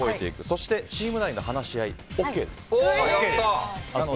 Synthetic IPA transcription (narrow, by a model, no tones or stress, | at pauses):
oet̪e̞ikɯ̟so̞ɕi̥t̪e̞t͡ɕiːmɯ̟nainohanaɕiaio̞ːkːe̞ːd̪e̞sɨ̥eao